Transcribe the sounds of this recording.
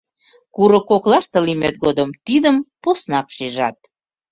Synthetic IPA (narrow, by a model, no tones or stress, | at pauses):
kuɾokoklɑʃt̪ɤ̆limet̪̚ɡod̪əmt̪id̪əmposnɑkʃiʒɑ̰t̪̚